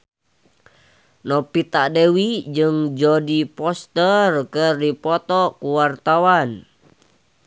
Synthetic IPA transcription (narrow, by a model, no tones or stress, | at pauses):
nɔpit̪aʔdewid͡ʒɨŋd͡ʒɔdipɔst̪ərkərdipɔt̪ɔkuwart̪awan